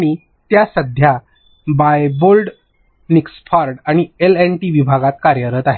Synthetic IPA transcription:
aɽ̃i | t̪jasəd̪ʱja | bajbolɖ | niksfaɾɖaɽ̃ielenʈiʋibʱaɡat̪̚kaɾjəɾəːt̪aɦe

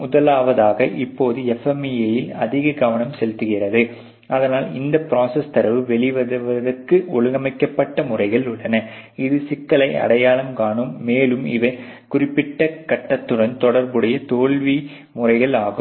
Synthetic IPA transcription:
ʊðɐlaːʋɐðaːɣɐʔɪpːoːðɯɛfɛmɪjɐjɪlɐðɪɣɐɡɐʋɐnɐmsɛlt̪ːɯɣɪrɐðɯ | ʔɐðɐnaːlɪ̰nd̪ɐpɪɾaːsɐst̪ɐɾɐʋɯʋɛɭɪʋɐʋɐðɐrkɯʔɔɭɯɣɐmɐɪkːɐpːɐʈːɐmʊrɐɪɣɐɭɯɭːɐnɐ | ɪðɯsɪkːɐɭɐɪɐ̰ɽɐjaːɭɐmkaːɳɯmːeːlɯmɪ̰ʋɐ | kʊrɪpːɪʈːɐkɐʈːɐt̪ːɯɽɐnt̪ɔɽɐɾbɯɽɐjɐt̪oːɭʋi | mʊrɐɪɣɐɭaːɣɯm

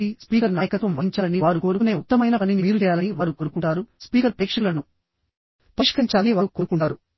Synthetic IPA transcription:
ispiːkɐɾnaːjɐkɐt̪ʋɐmʋɐiɲt͡ʃaːlɐniʋaːɾuko̞ːɾukune̞ːut̪ːɐmɐjnɐɐnːiniʋiːɾud͡ʒɛjaːlɐniʋaːɾukoːɾukuɳʈaːɾuspiːkɐɾpɾeːkʂɐlɐnu | pɐʂkɐɲt͡ʃaːniʋaːɾukoɾkuɳʈaːɾu

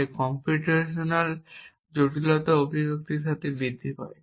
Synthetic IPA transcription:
ekɔmpuʈeʃonal | d͡ʑoʈilɔt̪aobʱibok̚t̪iɾʃat̪ʰebid̪ʱːipae

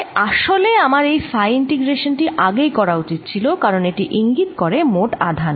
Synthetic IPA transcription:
aʃoleamaɾejfajinʈiɡɾeʃonʈiʔaɡejkɔɾaut͡ɕit̪̚t͡ɕʰilokaɾoneʈiʔiŋɡit̪koɾemoʈa̰d̪ʱan

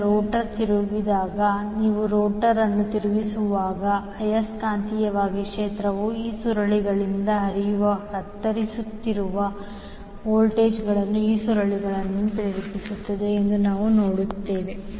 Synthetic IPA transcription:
ɾoːʈɐɾt̪iɾuʋid̪aːɡɐniːʋuɾoːʈɐɾɐnːut̪iɾuʋisuʋaːɡɐ | ɐjɐskaːnt̪ijɐʋaːɡikʂeːt̪ɾɐʋuiːsuɾɐɭiɡɐɭind̪ɐɦɐɾijuʋɐːkɐt̪ːɐɾisut̪ːiɾuʋɐ | oːlʈe̞ːd͡ʒɡɐɭɐnːuiːsuɾɐɭiɡɐɭɐnːupɾeːɾipisut̪ːɐd̪e̞ːnd̪unaːʋunoːɽut̪ːe̞ːʋe

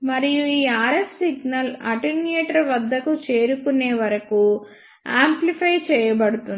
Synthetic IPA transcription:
mɐɾijuiːaːɾessiɡnɐlɐ̰ʈineːʈɐɾʋɐd̪ʱːɐkut͡ʃe̞ːɾukuneːʋɐɾɐku | aːmplipʰɐjt͡ʃɛːjɐbɐɽut̪un

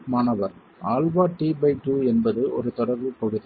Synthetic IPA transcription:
maːnɐʋɐɾ | aːlʋaːʈiːbɐɪʈuːɛnbɐðɯʔɔ̰ɾɯt̪ɔɽɐɾʋɯpɔɻɯðɯ

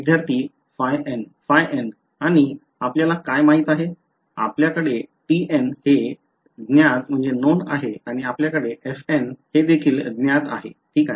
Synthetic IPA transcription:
id̪ʱjaɾt̪iː | fajenfajʔen | aɽ̃i | apljalakajmaɦiːt̪aɦe | a̰pljakəɽeʈiʔenhe | d̪njad͡zm̤əɳd͡zenona̰ɦeaɽ̃iapljakəɽeʔefenhed̪ekʰiːld̪njat̪a̰ɦḛʈʰiːka

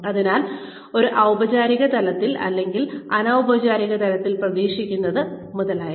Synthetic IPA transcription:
ɐðinaːl | o̞ɾuʔɐwbɐt͡ɕaːɾiɣɐt̪ɐlɐt̪ːilɐ̰lːe̞ŋɡilɐnawbɐd͡ʑaːɾiɣɐt̪ɐlɐt̪ːilprɐðiːʂikʲːunːɐðɨmuðɐlaːja

